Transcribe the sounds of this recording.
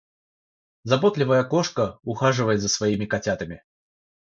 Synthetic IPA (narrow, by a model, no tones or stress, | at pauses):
zɐbot̪lʲɪvəjəkoʂkəʊxaʐɨvəjɪt̪zəsvɐimʲɪkɐtʲat̪ɐmʲɪ